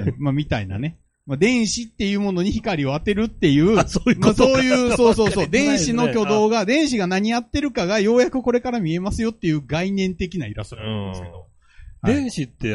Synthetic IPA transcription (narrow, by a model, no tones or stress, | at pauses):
mamʲit̪aina̰ne̞ | mad̪ẽ̞ɰ̃ɕit̪ːe̞jɯ̟ːmo̞no̞ɲ̟içikaɾʲio̞at̪e̞ɾɯ̟t̪ːe̞jɯ̟ːmaso̞ːjɯ̟ːso̞ːso̞ːso̞ːd̪ẽ̞ɰ̃ɕino̞kʲo̞d̪o̞ːɡad̪ẽ̞ɰ̃ɕiɡanaɲ̟ijat̪ːe̞ɾɯ̟kaɡajo̞ːjakɯ̟ko̞ɾe̞kaɾamʲie̞masɨjo̞t̪ːe̞jɯ̟ːɡainẽ̞nt̪e̞k̬ʲinaiɾa̰soɾaã̰nd̪sked̪o̞̰ | haẽɰ̃ɕit̪ːe